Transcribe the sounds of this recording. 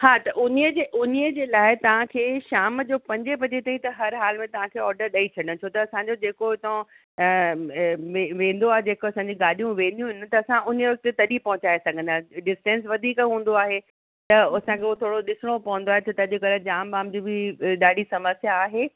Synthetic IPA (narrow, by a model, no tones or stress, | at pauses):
haːt̪ɐʔʊniəd͡ʑeʔʊniəd͡ʑeːlaːɪt̪ɐʋ̤ãkʰeːʃaːmd͡ʑoːpɐ̃ɲd͡ʑep̬ɐd͡ʑet̪aːĩt̪ɐɦɐɾɦaːlmẽt̪ɐʋ̤ãkʰeːɔːɾɖəɾɗait͡ɕʰɐɗə̃ɽ̃ʊ̃t͡ɕʰoːt̪ɐɐsãːɲd͡ʑod͡ʑeːkobt̪ɐõ | ʋeʋẽːn̆d̪oaːɦed͡ʑeːkoɐsãːɲd͡ʑiɡaːlijũʋẽːnd̪ijũɦɪnɪ̆t̪ɐːsãʔʊnʋɐk̚t̪et̪ɐɗipɐɦʊ̃t͡ɕaːesɐɡʱə̃nd̪aːɦɖɪsʈɛ̃ːnsʋɐd̪ʱiːkɦũːn̆d̪oaːɦe | t̪ɐɐsãkʰeːuot̪ʰoːɽoɗɪsɪɽ̃opɐʋə̃nd̪oaːɦet̪ʰɐt̪ɐʄɪkɐld͡ʑaːmbaːmd͡ʑiːbɪɗaːɖ̤ʱisɐməsjaːɦeː